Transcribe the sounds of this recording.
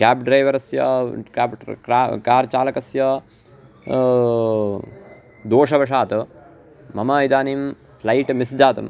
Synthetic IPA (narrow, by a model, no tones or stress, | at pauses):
kaːpɖɾɐjʋɐɾɐsjɐkaːpkɾaːkaːɾt͡ʃaːlɐkɐsjɐ | d̪oːʂɐbʱɐʂaːt̪u | mɐmɐid̪aːniːm | slɐjʈmisd͡ʒaːt̪ṵm